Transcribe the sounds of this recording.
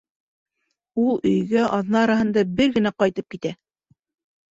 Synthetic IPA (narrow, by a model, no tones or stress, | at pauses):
ulˠɵ̆jɡæʔɑðnɑɑɾɑɦɤ̆nd̪ɑbɘɾɡɘ̆næqɑjt̪ɤp̚kit̪æ